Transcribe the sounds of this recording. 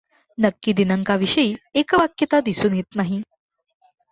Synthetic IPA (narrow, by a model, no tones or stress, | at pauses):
nəkːiːd̪inəŋkaʋiʂəiːekʋakjət̪ad̪isuːnjet̪naɦi